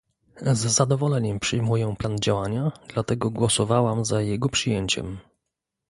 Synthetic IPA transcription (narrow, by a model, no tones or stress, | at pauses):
zːad̪ɔvɔlɛɲɛmpʂɘjmujɛpland͡ʑawaɲad̪̥lat̪ɛɡɔɡwɔsɔvawamzajɛɡɔpʂɨjɛɲt͡ɕɛ̰m